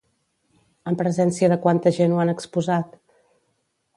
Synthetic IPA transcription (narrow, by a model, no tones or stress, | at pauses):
əmpɾəzɛnsiəðəkwant̪əʒenuanəkspuzat̪